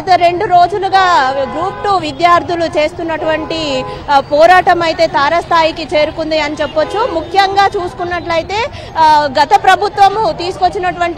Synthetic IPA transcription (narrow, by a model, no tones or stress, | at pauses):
ɐt̪ɐɾe̞ɳɖuɾoːd͡ʒuluɡaːɡɾuːpʈuʋid̪jaːɾt̪ʰulut͡ʃe̞ːst̪unːɐʈuʋɐɳʈipɔːɾaːʈɐmɐjt̪e̞ːt̪ʰaːɾɐst̪ʰaːjikit͡ʃe̞ːɾukund̪iɐnit͡ʃepːot͡ʃːumukʰjɐŋɡaːt͡ʃuːsu̥kunːɐʈlɐjt̪e̞ː | ɡɐt̪ɐpɾɐbʱut̪ʋɐmut̪iːsu̥ko̞t͡ʃːinɐʈuʋɐɳʈ